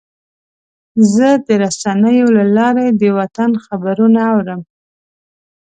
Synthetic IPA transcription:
zəd̪əɾasanəjolalɑɾed̪əwat̪anxabaɾunaːwɾəm

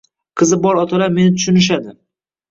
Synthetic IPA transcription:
qʰɨzɪbɒɾɒt̪ʰalaɾme̞nɪt̪ʰʊ̥ʃʊnɪʃ̬ad̪ɪ

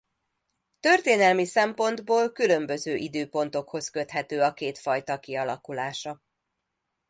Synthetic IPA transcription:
t̪ø̞rt̪eːnɛlmisɛmpo̞nd̪boːlkylø̞mbø̞zøːʔid̪øːpo̞n̪t̪o̞kho̞skø̞t̪ɦɛt̪øːɒkeːt̪fɒjt̪ɒkiɒlɒ̰kulaːʃɒ

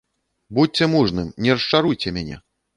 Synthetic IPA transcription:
but͡sʲɛmuʐnɨmnʲɛrʂt͡ʂaɾujt͡sʲɛmʲanʲɛ̰

